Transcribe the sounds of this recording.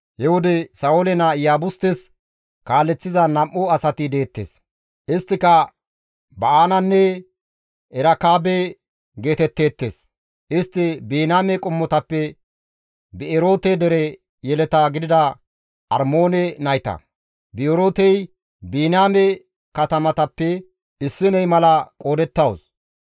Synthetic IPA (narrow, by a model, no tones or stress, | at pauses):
hɛwʊd̪ɛsɐolɛnɐjaːbʊst̪ɛs | kaːlːɛt͡sːɪzɐnɐmʔʊɐsɐt̪ɪd̪e̞ːt̪ːḛːs | ʔɪst̪ːɪkɐ | bɐaːnɐnːɛ | ɛɾɐkaːbɛ | ɡeːt̪ɛt̪ːe̞ːt̪ːḛːs | ʔɪst̪ːɪbiːnaːmɛkʼʊmːɔt̪ɐpːɛ | bɪɛɾo̞ːt̪ɛd̪ɛɾɛ | jɛlɛt̪aɡɪd̪ɪd̪ɐ | ɐɾmo̞ːnɛnɐjt̪ɐ̰ | bɪoɾoːt̪ɛj | biːnaːmɛ | kɐt̪ɐmɐt̪ɐpːɛ | ɪsːɪnɛjmɐlɐkʼo̞ːd̪ɛt̪ːɐws